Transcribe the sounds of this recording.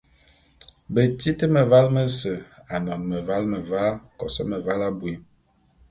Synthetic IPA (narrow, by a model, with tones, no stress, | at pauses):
bə˨ti˦tə˦mə˨va˦lmə˦sə˨a˨nɔ˨nmə˨va˦lmə˨va˦kɔ˨sə˦mə˨va˦la˦bwi˨˦